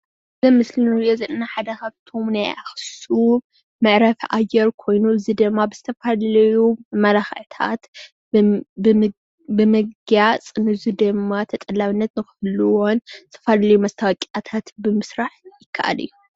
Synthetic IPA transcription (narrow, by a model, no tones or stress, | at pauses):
zɐmɨslinɾjozɐnnaħad̪ɐkʰaβt̪ʰo̞mnaja̰xsu | mɨʕɾɐfʔajɛɾkʰo̞jnuɨzid̪ɨmːabɨzɨt̪ʰɐfalɐlɐjumɐlaxʕt̪ʰa̰t̪ | bɨmɨɡɡjat͡sʼnɨɨzid̪ɨmːat̪ʰɐt̪ʼɐlːaβɨnːɐt̪nɨxɨɨlɨwonzɨ̥t̪ʰɐfalɐlɐjumɐst̪ʰawɐkʼat̪ʰat̪bɨmɨsɾaħjɪkʰːaʔa̰lɨ̰jːu